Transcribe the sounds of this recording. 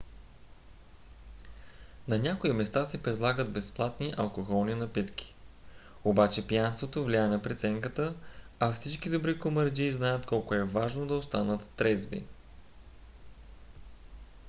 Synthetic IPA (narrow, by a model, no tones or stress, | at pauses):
nɐnʲakoimɛst̪asɛpɾɛd̪lˠaɡəd̪bɛsplˠat̪niʔɐlˠkoxɔlˠninɐpit̪kʲi̥ | obat͡ʃɛpjanst̪vot̪ovlʲiaɛnɐpɾɛt̪sɛŋkət̪ə | afsit͡ʃkid̪obɾikoməɾd͡ʒiːznajət̪kɔlˠkoɛvaʒnod̪ɐost̪anət̪ːɾɛzbḭ